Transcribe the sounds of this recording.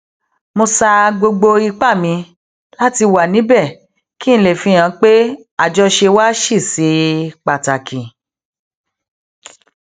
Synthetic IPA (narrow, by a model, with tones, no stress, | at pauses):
mo˧sa˧ɡ͡bo˧ɡ͡bo˧i˧k͡pa˦˨mĩ˧ | la˦ti˧wa˨nĩ˨˦bɛ˦˨ | ki˦ñ̩˦˧˦le˦˨fĩ˧˦j̃ã˧k͡pe˦ | a˦˨d͡ʒɔ˧ʃe˧wa˦ʃi˦˨si˨˦k͡pa˨ta˨kʰĩ˨